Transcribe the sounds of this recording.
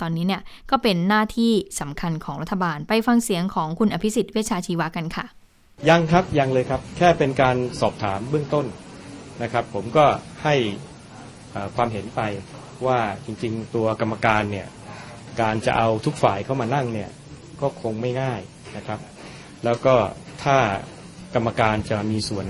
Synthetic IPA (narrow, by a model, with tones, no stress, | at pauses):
t̪ɔː˧nːiː˦˥ni˥˩ɐkɔː˥˩pe˧nːaː˥˩t̪ʰiː˥˩sa˩˦mkʰa˧nkʰɔː˩˦ɾa˦˥t̪ʰːa˧baː˧npa˧jfa˧ŋsi˩˦əŋkʰɔː˩˦ŋkʰu˧nʔa˧pʰi˦˥si˨˩t̪̚wi˦˥˩t͡ɕʰaː˧t͡ɕʰiː˧wa˦˥ka˧nkʰa˥˩ | ja˧ŋkʰɾa˦˥p̚ja˧ŋlɤː˧jkʰa˦˥p̚kʰɛː˥˩pe˧nkaː˧nsɔː˨˩p̚t̪ʰaː˩˦mbɯ˥˩əŋt̪o˥˩nna˦˥kʰɾa˦˥pʰːo˩˦mkɔː˥˩ha˥˩j | ʔəː˨˩kʰwaː˧mɦe˩˦npa˧j | waː˥˩t͡ɕi˧ŋt͡ɕi˧ŋt̪u˧ɐka˧mːa˧kaː˧nːi˥˩ɐ | kaː˧nt͡ɕa̰˨˩ʔa˧wt̪ʰu˦˥k̚fa̰ː˨˩jkʰa˥˩wmaː˧na˥˩ŋni˥˩ɐ | kɔː˥˩kʰo˧ŋma˥˩jŋaː˥˩j | na˦˥kʰɾa˦˥p̚ | lɛː˦˥wkɔː˥˩t̪ʰaː˥˩ | ka˧mːa˧kaː˧nt͡ɕa˨˩miː˧su˨˩ən